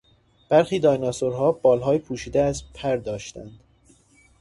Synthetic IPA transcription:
b̥æɾxiːd̪ɒːjnɒsoɾɦɒːbɒːlɦɒːjepʰuːʃiːd̪eæzpʰæɾd̪ɒːʃt̪æ̰nd̪̥

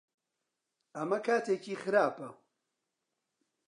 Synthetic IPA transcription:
ɐmɐkʰaːt̪ʰeːkʰiːxɨɾaːpɐ

